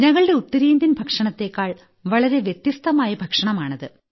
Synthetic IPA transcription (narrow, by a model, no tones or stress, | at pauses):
ɲɐŋːɐɭɨɖe̞ut̪ːɐɾiːnd̪ʱinbʱɐkʂɐɳɐt̪ːe̞kːaːɭ | ʋɐɭɐɾe̞ʋjet̪ːjist̪ɐmaːjɐbʱɐkʂɐɳɐmaːɳɐðɨ